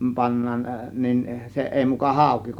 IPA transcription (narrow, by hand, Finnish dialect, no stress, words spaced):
pɑnːɑːn nin se ʔeˑi mukɑ hɑˑo̝ki